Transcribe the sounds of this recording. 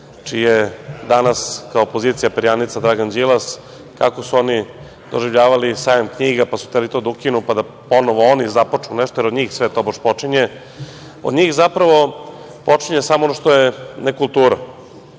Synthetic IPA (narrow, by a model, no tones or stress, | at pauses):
t͡ʃijed̪anaskaoːpo̞ziːt̪sijapeɾjanit̪sad̪ɾaɡand͡ʑilˠas | kakosuo̞ni | d̪̥o̞̰ʒivʎaːʋalisaːjomkɲiːɡapasu̥t̪elit̪od̪aukinupad̪a | po̞noʋoonizapot͡ʂuneʃt̪ojeɾo̞d̪ɲiːxsʋet̪o̞boʃpo̞t͡ʂiɲe | o̰d̪ɲiːxzapɾaʋo̞ | po̞t͡ʂiɲesamoonoʃt̪ojenekulˠt̪uːɾa